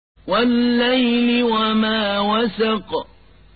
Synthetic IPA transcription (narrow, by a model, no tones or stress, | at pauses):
walːajlɪwamaːwasɑq